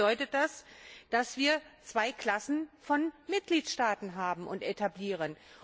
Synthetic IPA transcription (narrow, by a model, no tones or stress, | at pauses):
ɔʏtət̚d̥asd̥asv̥iːɐt͡sv̥aɪkl̥asn̩fɔnmɪt̚ɡ̥liːtʃtaːtn̩ɦaːbm̩ʔʊntʔetʰabliːʁ̞ən